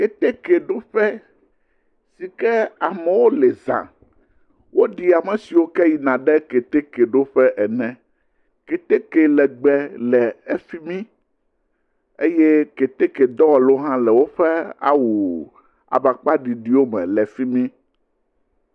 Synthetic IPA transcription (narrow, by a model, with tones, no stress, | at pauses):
ke˨t̪e˦ke˨ɖo˦ɸɛ˦ | si˨kɛ˦a˨mɛ̃˨wo˦lɛ˨zã̰˨ | wo˦ɖi˨a˨mɛ̃˨si˨wo˦kɛ˦ji˨nã˨ɖɛ˦ke˨t̪e˦ke˨ɖo˦ɸɛ˦ʔɛ˨nɛ̃˦ | ke˨t̪e˦ke˨lɛ˨ɡ͡bɛ˨lɛ˨e˦fi˦mĩ˦ | e˦jɛ˦ke˨t̪e˦ke˨d̪ɔ˦wɔ˨lo˦ɦã˦lɛ˨wo˦ɸɛ˦a̰˦wu˨ | a̰˨ba˨k͡pa˦ɖi˨ɖi˦wo˦mɛ̰̃˨lɛ˨fi˦mĩ˦